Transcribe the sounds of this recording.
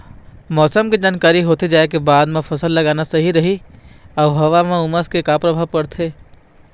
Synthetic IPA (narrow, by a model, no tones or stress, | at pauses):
mɔːsəmked͡ʒaːnkaːɾiɦoːt̪ed͡ʒaːekebaːd̪mẽpʰɐsəlːɐɡaːnasɐɦiɾɐɦiɔːɦɐʋamẽʊməskekapɾɐbʱaʋpɐɽt̪ʰeː